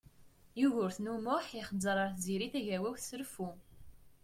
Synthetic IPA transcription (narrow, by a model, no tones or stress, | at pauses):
juʝʊɾθnumʊħiχəd͡zəɾˤɑɾˤθziɾiθæʝæwæwθsəɾəfu